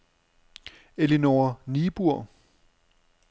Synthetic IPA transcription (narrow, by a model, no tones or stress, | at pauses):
elinoɐnib̥uɐ̰